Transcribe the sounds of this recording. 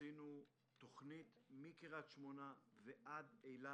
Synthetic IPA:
inu | t̪o̞χnit̪mikiʁat̪ʃmonaveʔad̪ejla

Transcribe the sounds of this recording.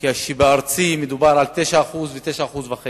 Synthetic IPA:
kiaʃibeaɾt͡simed̪ubaɾalt̪eʃaːχuzvet̪eʃaːχuzbaχe

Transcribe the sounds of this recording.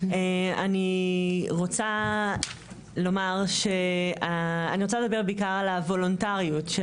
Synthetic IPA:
eaniʁo̞t͡sa | lo̞maʁʃeaːniʁot͡saled̪abebeikaʁalavo̞lontaʁiutʃe

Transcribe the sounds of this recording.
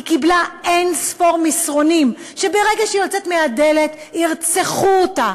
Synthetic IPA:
ikiblaensfo̞ʁmisʁo̞nimʃe̞beʁe̞ɡaʃeiot͡set̪meade̞let̪iʁt͡seχuota

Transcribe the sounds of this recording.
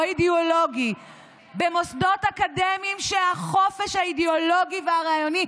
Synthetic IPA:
idioloɡi | bemosdo̞takademimʃehaχo̞fe̞ʃhaideolo̞ɡiveaʁaːjoni

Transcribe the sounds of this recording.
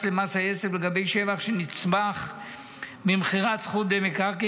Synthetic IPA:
lemasajesefleɡabe̞jʃevaχʃenit͡smaχ | mimχiʁatsχut̪̚demekaʁke

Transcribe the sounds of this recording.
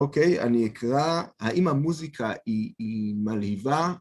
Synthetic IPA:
okeja̰niekʁahaʔimamuzikʰaiːmalhiva

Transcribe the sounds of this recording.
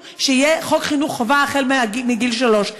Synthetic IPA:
ʃeijeχokχinuχːovaːχelmeaimiɡilʃaloʃ

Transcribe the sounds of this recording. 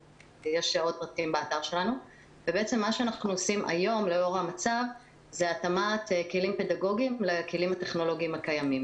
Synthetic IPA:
jeʃiot̪̚pʁat̪imbaːtaʁʃe̞lanu | vebeet͡se̞mːaʃeanaχnuosimʔa̰jo̞mle̞o̞ʁhamat͡sav | zeatamat̪kelimpe̞daɡo̞ɡimlekelimate̞χno̞lo̞ɡiimakajamim

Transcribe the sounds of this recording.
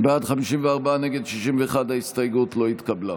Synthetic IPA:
beadχamiʃimveaʁbaneɡe̞dʃiʃimveːχadhaist̪ajɡutlo̞it̪kabla

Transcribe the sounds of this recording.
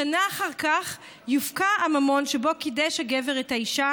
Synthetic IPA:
anaːχaʁkaχ | jufkaːmamo̞nʃebo̞kideʃhaɡeveʁethaiʃa

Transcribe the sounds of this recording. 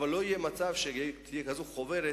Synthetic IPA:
valːo̞ijemat͡savʃet̪ʰijekazoχoveɾe

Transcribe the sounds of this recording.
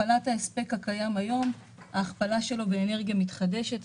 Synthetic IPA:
alathaespe̞khakajamajo̞m | aːχpalaʃe̞lo̞beːne̞ʁɡjamitχade̞ʃe̞t

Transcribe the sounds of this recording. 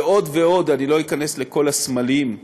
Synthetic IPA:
o̞d̪ve̞o̞d̪anilo̞ikane̞sle̞ko̞lasmalim

